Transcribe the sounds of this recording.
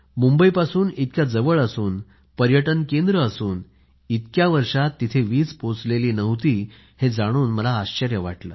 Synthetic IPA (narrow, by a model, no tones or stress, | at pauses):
mumbəipasuːnit̪̚kʲjad͡zəʋəɭəsuːn | pəɾjəʈənkend̪ɾəːsuːn | it̪kjaʋəɾʂat̪ːit̪ʰeʋiːt͡spot͡sleliːnəʋt̪iː | hed͡zaɽ̃uːnməlaːɕt͡ɕəɾjəʋaʈlə̰ː